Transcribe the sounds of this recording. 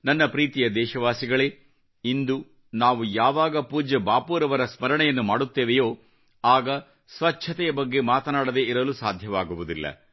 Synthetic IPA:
nɐnːɐpɾiːt̪ijɐd̪ɛːʃɐʋaːsiɡɐɭe̞ː | ind̪u | naːʋujaːʋaːɡɐpuːd͡ʒɐbaːpuːɾɐʋɐɾɐsmɐɾɐɳɛjɐnːumaːɽut̪ːeːʋejo̞ː | aːɡɐ | sʋɐt͡ʃʰɐt̪ɛjɐbɐɡːe̞maːt̪ɐnaːɽɐd̪eʔiɾɐlusaːd̪ʱjɐʋaːɡuʋud̪ilːɐ̰

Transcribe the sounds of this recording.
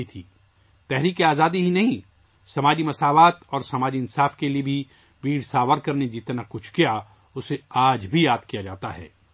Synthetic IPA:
it̪ʰiː | t̪ɛɦɾiːkeaːzaːd̪iɦinɐɦĩ | sɐmaːd͡ʒimɐsaːʋaːt̪ɔːɾsɐmaːd͡ʒiɪnsaːfkeliebʱi | ʋiːɽsaːʋəɾkɐɾned͡ʒɪt̪nakʊt͡ʃʰkija | ʊseaːd͡ʒbʱijaːd̪kijad͡ʒa̰ːt̪a̰ɦɛ̰ː

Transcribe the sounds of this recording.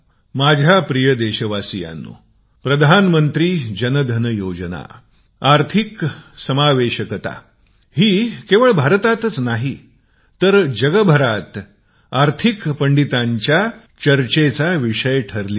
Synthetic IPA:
mad͡ʑʱapɾijəd̪eɕəʋasija̰nːṵ | pɾəd̪ʱanmənt̪ɾiːd͡ʑənəd̪ʱənəjod͡ʑəna̰ | aɾt̪ʰiksəmaʋeɕəkət̪a̰ | ɦiːkeʋəɭbʱaɾət̪at̪ət͡snaɦi | t̪əɾd͡ʑəɡəbʱəɾat̪ | aɾt̪ʰikpəɳɖit̪aɲt͡ɕja | t͡ɕəɾt͡ɕet͡saʋiʂəjʈʰəɾli

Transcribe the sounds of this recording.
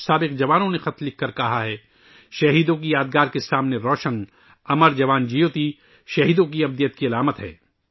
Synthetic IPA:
saːbɪqd͡ʒɐʋaːnõnexɐt̪lɪkʰkːɐɾkɐɦaɦɛː | ʃɐɦiːd̪õk̬ijaːd̪ɡaːɾkesaːmneɾɔːʃən | ɐməɾd͡ʒɐʋaːnd͡ʒijoːt̪i | ʃɐɦiːd̪õk̬iɐb̚d̪ijət̪̚kiɐlaːmət̪ɦɛ̰ː

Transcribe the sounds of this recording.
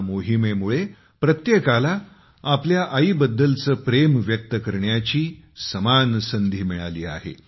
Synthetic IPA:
moɦimemuɭe | pɾət̪jekala | apljaʔəibəd̪ːəlt͡səːpɾemʋjək̚t̪əkəɾɳjat͡ɕiːsəmansənd̪ʱiːmiɭaliːa̰ɦḛ

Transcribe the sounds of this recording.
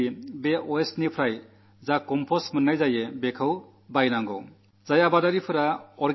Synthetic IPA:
ibeʔoesnipʰɾaj | zakɔmpʰosmɐnːʌjzajebekʰaw | bajnaŋɡo̰ | d͡zajabadaɾipʰuɾaɔɾ

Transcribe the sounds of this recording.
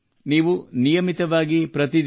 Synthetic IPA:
niːʋunijɐmit̪ɐʋaːɡipɾɐt̪id̪

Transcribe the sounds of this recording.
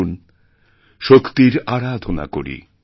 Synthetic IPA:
n | ʃokt̪iɾaɾad̪ʱona̰ko̰ɾḭ

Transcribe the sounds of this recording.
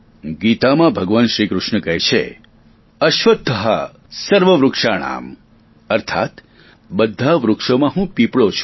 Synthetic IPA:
ɡit̪amãbʱəɡʋənʃɾikɾʊʃɳəkəɦt͡ʃʰḛ | əʃʋəd̪ʱːəɦə̰ | səɾʋəʋɾʊkʂaɳ̃a̰m | əɾt̪ʰa̰t̪ | bəd̪ʱːaʋɾʊkʂomãɦũpipɭot͡ʃʰ

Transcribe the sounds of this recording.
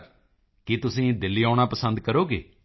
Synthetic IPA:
kɪt̪ʊsĩːd̪ɪlːiːaːɽ̃aːpəsənd̪̚kəɾoːɡeː

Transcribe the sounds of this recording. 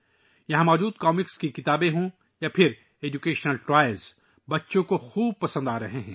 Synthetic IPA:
jɐɦãmɔːd͡ʒuːd̪kɔːmɪkskikɪt̪aːbẽɦõ | japʰɪɾ | eːd͡ʒukeːʃnəlʈɾaːjəlz | bɐtːʃõkoxuːb̚pɐsə̃nd̪aːɾɐɦeɦɛ̃ː

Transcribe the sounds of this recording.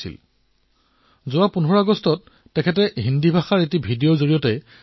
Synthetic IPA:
ḭl | zʊwapunɔɹaɡɔstɔtː | ɛkʰɛtɛɦindibʱaxaɹetibʱidijozoɹijɔtɛ

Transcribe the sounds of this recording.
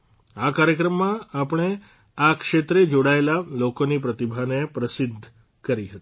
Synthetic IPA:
akaɾjəkɾəmːãapəɳ̃e | akʃet̪ɾed͡ʒoɽaelalokonipɾət̪ibʱanepɾəsɪd̪ʱː | kəɾiɦət̪i̥

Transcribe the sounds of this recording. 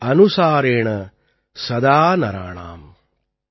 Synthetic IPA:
ɐnusaːɾeːɳɐ | sɐd̪aːnɐɾa̰ːɳa̰ːm

